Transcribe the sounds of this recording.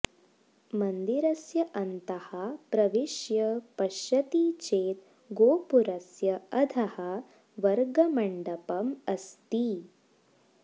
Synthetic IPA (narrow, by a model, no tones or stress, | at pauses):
mɐnd̪iɾɐsjɐʔɐnt̪ɐhapɾɐʋiʂjɐpɐʃɐt̪it͡ʃeːt̪ | ɡoːpuɾɐsjɐɐd̪ʰɐha | ʋɐɾɡɐmɐɳɖɐpɐmɐst̪i